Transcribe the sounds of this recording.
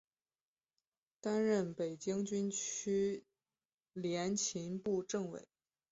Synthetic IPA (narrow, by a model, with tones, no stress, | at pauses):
t̪a˥nɻə˥˩npe˨˩ɪt͡ɕi˥ŋt͡ɕy˥nt͡ɕʰy˥ | ljɛ˧˥nt͡ɕʰi˧˥npu˥˧ʈ͡ʂɤ˥˩ŋwḛ˨˩˦ɪ